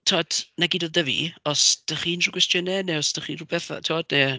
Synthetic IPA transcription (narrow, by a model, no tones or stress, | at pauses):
tʰoːd̥naɡidɔðəvḭɔsd̥əχiːnruɡwɛstjɔnɛnɛɔsd̥əχiːnrubɛθa̰tʰoːdne